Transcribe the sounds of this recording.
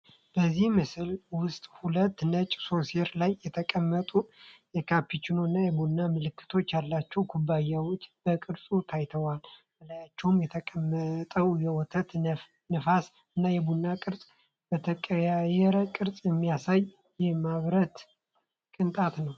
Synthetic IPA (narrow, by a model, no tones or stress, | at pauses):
b̥əzːihmɨsɨlwʊst̪ʼhulət̪ːnət͡ʃʼso̞seɾlajːɛt̪ʰəkʼəmːət̪ʼujɛkʰapːit͡ʃːɪnoɨnːajɛbunːamɨlɨkːɨ̥t̪ʰo̞t͡ʃːjalːat͡ʃːɛwkʰubːajːawot͡ʃːb̥əkʼɨɾsʼut̪ʰajt̪ʰəwalməlajat͡ʃːɛwmjɛt̪ʰəkʼəmːət̪ʼəwjɛwɔt̪ʰət̪ | nɨfas | ɨnːajɛbunːakʼɨɾsʼ | b̥ət̪ʰəkʼəjajɛɾəkʼɨɾsʼjɛmːijasaj | jɛmaβɾət̪ | kʼɨnt̪ʼat̪nəw